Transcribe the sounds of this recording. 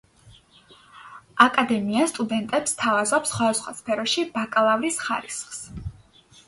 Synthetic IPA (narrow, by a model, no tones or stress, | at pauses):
akʼad̪ɛmiast̪ʼud̪ɛnt̪ʼɛpst̪ʰavazɔpsχwad̪asχwa̰spʰɛɾɔʃibakʼlˠavlisχa̰ɾisχs